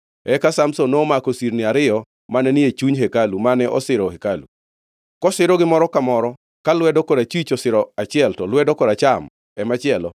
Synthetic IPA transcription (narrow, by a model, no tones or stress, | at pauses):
ɛkasamsonoːmakosiɾnɪaɾɪjɔ | manɛnɪet͡ʃuɲɦekalumanɛʔɔ̰sɪɾɔhekalu | kɔsɪɾɔɡɪmɔɾɔkamɔɾɔ | kalwɛdɔkodat͡ʃit͡ʃɔsɪɾɔat͡ʃɪɛltɔlwɛdɔkɔdat͡ʃam | ɛmat͡ʃɪɛlɔ